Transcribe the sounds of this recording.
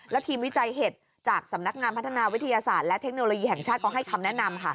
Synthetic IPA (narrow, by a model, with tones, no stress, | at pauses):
lɛ˦˥wt̪ʰiː˧mwi˦˥t͡ɕa˧jɦe˨˩t̪̚ | t͡ɕaː˨˩k̚sa˩˦mna˦˥k̚ŋaː˧npʰa˦˥t̪ʰːa˧naː˧wi˦˥t̪ʰa˧jaː˧saː˨˩t̪̚lɛ˦˥t̪ʰe˦˥k̚noː˧loː˧jiː˧ɦɛ˨˩ŋt͡ɕʰaː˥˩t̪̚kʰɔː˧˩ɦa˥˩jkʰa˧mnɛ˦˥na˧mkʰa˦˥˩